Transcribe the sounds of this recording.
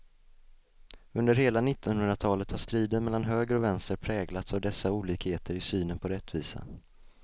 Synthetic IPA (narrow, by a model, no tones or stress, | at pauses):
ɵnd̪əɾheːlanɪt̪ːɔnhɦɵnd̪ɾat̪ʰɑːlət̪haʂt̪ɾiːd̪ənmɛlːanɦøːɡɾɔvɛnst̪əɾpʰɾɛːɡlat̪savd̪ɛsːauːliːkheːt̪ʰəɾɪsyːnənpʰɔɾɛt̪ʰːviːsa̰